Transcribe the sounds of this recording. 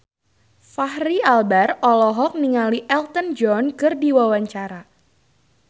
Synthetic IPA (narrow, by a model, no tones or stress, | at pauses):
fahrialbarɔlɔɦɔk̚niŋaliʔɛlt̪ənd͡ʒɔnkɨrdiwawaɲt͡ʃaɾa